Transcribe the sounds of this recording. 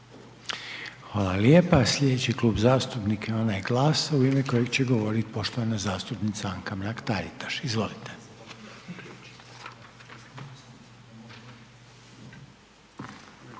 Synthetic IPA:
xʋaːlaljepaslʎʲe̞d̪et͡ɕikluːbzaːst̪upnikeo̞najeɡlaːsauimeko̞jeɡt͡ɕeɡo̞ʋo̞ɾit̪po̞ʃt̪oʋanazaːst̪upnit̪saaŋkamɾakt̪aɾit̪ḁʃizʋo̞lit̪e

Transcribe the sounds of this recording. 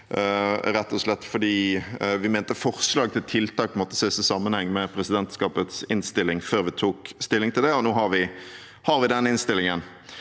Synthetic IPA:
ɾɛt̪ʰːɔslɛt̪ːfɔɖ̪iːʋɪmɛːnt̪əfɔʁslɑːɡ̚t̪ʰɪlt̪ʰɪlt̪ʰɑːkmɔt̪ːəseːsəsɑmːənhɛŋːmɛpʰɾɛsɪd̪ɛnt̪skɑːpət̪sɪnst̪ɪlːɪŋføːʁʋɪt̪ʰuːkst̪ɪlːɪŋt̪ʰɪld̪ɛɔnoːɦɑʁʋɪ | hɑɾʋɪd̪ɛnɪnst̪ɪlːɪŋən

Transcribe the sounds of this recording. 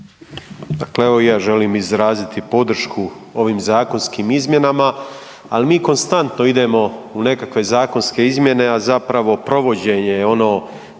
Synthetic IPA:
d̪akleeʋo̞ijaːʒe̞liːmizɾaːzit̪ipo̞d̪ɾ̩ʃkʰuo̞ʋiːmzaːko̞nskiːmizmje̞nama | alimiːko̞nst̪ant̪no̞id̪e̞mo̞une̞kakʋe̞zaːko̞nske̞izmje̞ne̞azapɾaʋo̞pɾo̞ʋo̞d͡ʑe̞ɲe̞jeo̞no̞ː

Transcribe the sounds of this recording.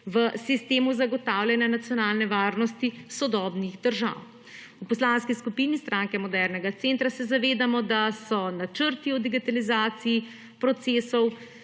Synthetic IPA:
ʋəsist̪eːmuzaɡɔt̪aːwlʲjɛnjanat̪sjɔnaːlnɛʋaːɾnɔst̪isɔd̪ɔːbniɣd̪əɾʒa̰w | upɔslaːnskiskupinist̪ɾaːŋkɛmɔd̪ɛɾnɛɡat̪sent̪ɾasɛzaʋeːd̪amɔd̪asɔnat͡ʃəɾt̪iɔd̪iɡit̪alizaːt̪siː | pɾɔt̪seːsɔw

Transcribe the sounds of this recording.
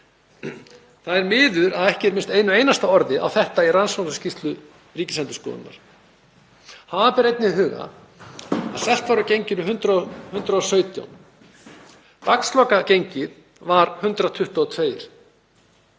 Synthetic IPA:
θaðɛɾmɪːðʏɾaðɛhcɪɛɾmɪnst̪ejnʏeːjnast̪aɔɾðɪa̰wθɛht̪airansvansascist̪lʏ | riːcɪslɛnt̪ʏ̥skɔ̰ːðʏ̰nːa̰ɾ̥ | haːðapɛɾejt̪nɪðɦʏːɣa̰ | a̰ðsɛl̥t̪vaɾʏcejɲcɪɾʏɦʏnt̪ɾahʏnt̪ɾaɔsœːɥt̪ja̰wn | pakslɔkacejɲcɪð | vaɾhʏnt̪ɾat̪ʰʏht̪ɔːt̪ʰveːjɾ̥

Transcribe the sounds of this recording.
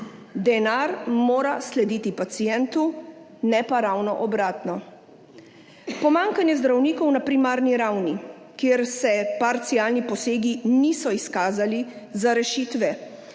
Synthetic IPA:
d̪ɛnaɾmoːɾaslɛd̪iːt̪ipat̪sijɛnt̪u | nɛpaɾawnɔʔɔbɾaːt̪nɔ | pɔmaŋkanjɛzd̪ɾawniːkɔwnapɾimaːɾniɾawni | kjeːɾsɛpaɾt̪sijaːlnipɔseːɡiniːsɔiskaːzalizaɾɛʃiːt̪ʋɛ

